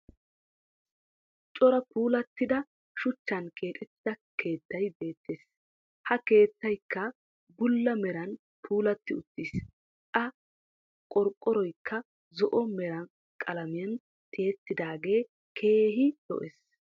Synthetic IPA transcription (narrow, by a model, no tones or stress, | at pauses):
t͡ʃʼɔɾɐpuːlɐt̪ːɪd̪ɐ | ʃʊt͡ʃːɐnkʰe̞ːt̪ʼɛt̪ːɪɐke̞ːt̪ːɐjbe̞ːt̪ːes | hɐke̞ːt̪ːɐjkːɐ | bʊlːɐmɛɾɐn | pʰuːlɐt̪ːɪʊt̪ːiːs | ʔɐ | kʼɔɾkʼːɔɾɔjkʰːɐ | zɔʔɔmɛɾɐn | kʼɐlɐmɪjɐn | t̪ʰeːt̪ːɪd̪aːɡe̞ː | kʰe̞ːɦɪd̪̥ɔ̰ʔɛs